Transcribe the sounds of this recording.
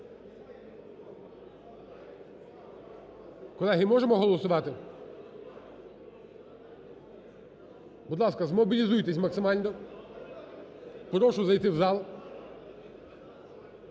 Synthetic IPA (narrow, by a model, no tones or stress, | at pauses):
kɔlˠɛɦɪmɔʒemɔɦɔlˠɔsʊʋɑt̪ɪ | bud̪lˠɑskɐzmɔbʲilʲizujt̪esʲmɐksɪmɑlʲnɔ | pɾɔʃʊzɐjt̪ɪwzɑlˠ